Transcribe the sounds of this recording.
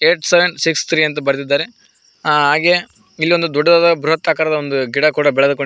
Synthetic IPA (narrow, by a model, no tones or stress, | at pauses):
eːʈseʋeɳɖsikst̪ʰɾiːɐnt̪̬ɐbɐɾt̪̬id̪ːaːɾe | ɦaːɡe | ilːio̞nd̪ud̪ɔɖːɐd̪aːd̪ɐbɾuɦɐt̪ːaːkaːɾɐd̪ɐond̪uɡiɽɐkuːɽɐbɛɭɐd̪ukoɳ